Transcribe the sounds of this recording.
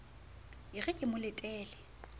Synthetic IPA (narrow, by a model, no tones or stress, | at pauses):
ɪɣɛkʼɪmʊlɪtʼɛːlɪ